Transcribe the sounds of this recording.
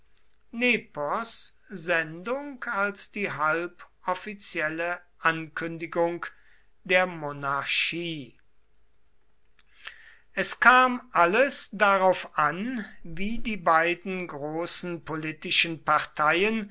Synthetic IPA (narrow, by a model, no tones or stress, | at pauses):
nepɔs | zɛndʊŋkalsd̥iːɦalpʔɔfit͡sjɛləʔankʏndɪɡʊŋk | d̥eːɐmonaɐʃiː | ʔɛskʰaːmʔaləsd̥aʁaʊfʔanviːdiːbaɪdn̩ɡʁoːsn̩politɪʃən̩paʁtʰaɪən